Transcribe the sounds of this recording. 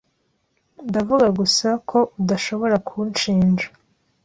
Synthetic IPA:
ndavuɡaɡusakʰo̞ʔudaʃo̞βo̞ɾakʰunt͡ʃiːnd͡ʒa

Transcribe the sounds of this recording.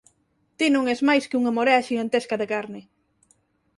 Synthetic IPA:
t̪inõŋezmajskɪuŋamoɾeaʃiɣant̪eskɐðekaɾnɪ

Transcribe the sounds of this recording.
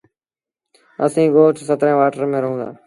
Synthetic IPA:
əsĩːɠoːʈsət̪ɾẽːʋaːʈəɾmẽːɾəɦũːnd̪a̰ː

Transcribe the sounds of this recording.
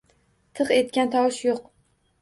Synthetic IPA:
t̪ʰɨqe̞t̪̚kʲant̪ʰɒwɪʃjoq

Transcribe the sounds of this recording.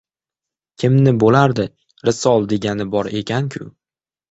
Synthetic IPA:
kʲʰɪmnɪbolaɾd̪ɪ | ɾɪsɒlˠd̪e̞ɡʲanɪbɒɾe̞kʲʰankʲʰʊ̰

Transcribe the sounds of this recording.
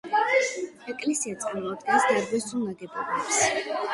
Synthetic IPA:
ɛkʼlɛsiat̪sʼamɔad̪̚ɡɛnsd̪aɾɡɛsunaɡɛbɔlɛps

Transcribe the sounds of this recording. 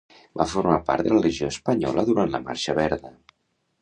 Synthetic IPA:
bafuɾmapa̰ɾt̪ələliʒioəspəɲɔ̰ləðuɾant̪lə̰ma̰ɾʃəβɛɾðə

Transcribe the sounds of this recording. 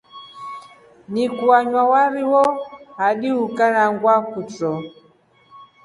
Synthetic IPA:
nikuaɲwawaɾiwɔhaɗihukanaŋɡwakut͡sɔ

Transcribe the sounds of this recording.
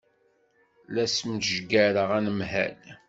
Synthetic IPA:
læsmt̪ʒɡæɾəʁænəmɦæ̰l

